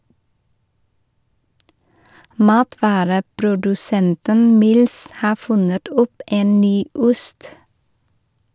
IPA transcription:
ˈmɑːtʋɑːɾəpɾʊdʉˌsɛntən ˈmɪls ˈhɑː ˈfʉnət ˈɔp ˈeːn ˈnyː ˈʊst

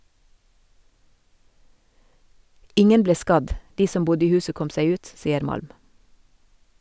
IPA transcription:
ˈɪŋən ˈbleː ˈskɑd ˈdiː ˈsɔm ˈbʊdə ˈiː ˈhʉːsə ˈkɔm ˈsæɪ ˈʉːt ˈsiːəɾ ˈmɑlm

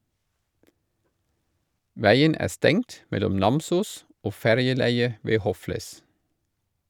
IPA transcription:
ˈʋæɪən ˈæː ˈstɛŋt ˈmɛlʊm ˈnɑmsuːs ˈoː ˈfæɾjəˌlæɪə ˈʋeː ˈhɔfləs

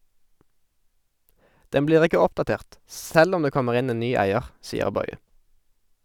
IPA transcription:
ˈdɛm ˈbliːʁ ˈɪkə ˈɔpdɑˌteːʁt ˈsɛl ˈɔm ˈdeː ˈkɔməʁ ˈɪn ˈeːn ˈnyː ˈæɪəʁ ˈsiːəʁ ˈbɔʏə

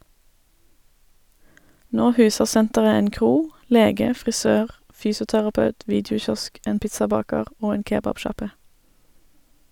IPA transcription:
ˈnoː ˈhʉːsəʁ ˈsɛntəʁə ˈeːn ˈkʁuː ˈleːɡə fʁɪˈsøːʁ ˈfyːsʊtæʁɑˌpɑʉt ˈʋiːdɪʊˌçɔsk ˈʔeːn ˈpɪtsɑˌbɑːkəʁ ˈoː ˈeːn ˈkeːbɑbˌʃɑpə

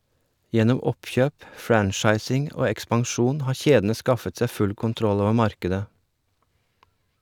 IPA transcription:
ˈjɛnɔm ˈɔpçøːp ˈfɾænʃɑɪsɪŋ ˈoː ɛkspɑŋˈʃuːn ˈhɑːɾ ˈçeːdn̩ə ˈskɑfət ˈsæɪ ˈfʉl kʊnˈtɾɔl ˈoːʋəɾ ˈmɑɾkədə

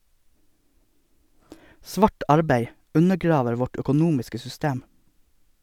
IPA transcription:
ˈsʋɑːʈ ˈɑɾbæɪ ˈʉnəˌɡɾɑːʋəɾ ˈʋɔʈ œkʊˈnuːmɪskə sʏˈsteːm

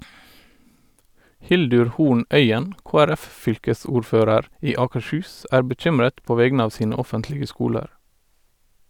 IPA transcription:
ˈhɪldʉɾ ˈhuːɳ ˈʔœʏən ˌkoːæˈɾæfˌfʏlkəˌsuːɹˌføːɾəɾ ˈiː ˌɑːkəʃˈhʉːs ˈʔæːɹ bəˈc͡çʏmɹət ˈpoː ˈʋɛɡnə ˈɑːʋ ˈsiːnə ˈɔfəntlɪɡə ˈskuːləɾ

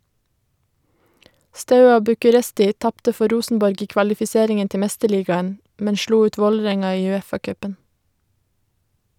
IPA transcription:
ˈstɑʉɑ bʉkʉˈɾɛstɪ ˈtɑptə ˈfɔ ˈɾuːsn̩bɔɾɡ ˈiː kʋɑlɪfɪˈseːɾɪŋən ˈtɛ ˈmɛstəˌɭiːɡɑən ˈmɛn ˈʃluː ˈʉːt ˈʋoːləˌɾɛŋɑ ˈiː ʉˈeːfɑˌkœpən

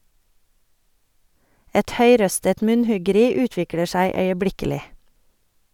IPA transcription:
ˈɛt ˈhœʏˌɾœstət ˈmʉnˌhʉɡəˌɾiː ˈʉːtʋɪklə ˈʃæɪ œʏəˈblɪkəlɪ

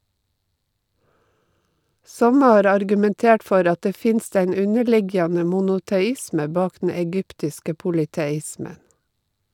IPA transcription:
ˈsɔmə ˈhɑːɾ ɑɾɡʉmɛnˈteːʈ ˈfɔɾ ˈɑ ˈteː ˈfɪnst ˈeɪn ˈʉnəˌɭɪɡjɑnə mʊnʊtɛˈɪsmə ˈbɑːk dn̩ ɛˈɡʏptɪskə pʊlɪtɛˈɪsmən

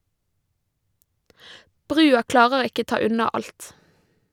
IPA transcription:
ˈbʁʉːɑ ˈklɑːʁəɾ ˈɪkə ˈtɑː ˈʉnɑ ˈɑlt

